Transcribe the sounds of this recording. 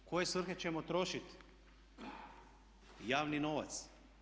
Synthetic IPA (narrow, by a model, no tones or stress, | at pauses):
ko̞je̞sʋr̩xet͡ɕemot̪ɾo̞ʃit̪ | jaːʋnino̞ʋa̰t̪s